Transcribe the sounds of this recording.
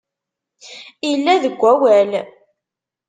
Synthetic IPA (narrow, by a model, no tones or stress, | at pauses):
ilːæðəɡʷːæwæl